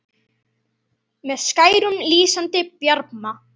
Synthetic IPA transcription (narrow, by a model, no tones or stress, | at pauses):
mɛðskajɾʊnliːsant̪ɪpjɑɾpma